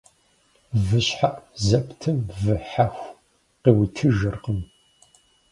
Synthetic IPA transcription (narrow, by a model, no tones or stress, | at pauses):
vɨɕħaʔzɐptʰɨmvɨħaxʷ | qiːwtʰɨʒɨrqəm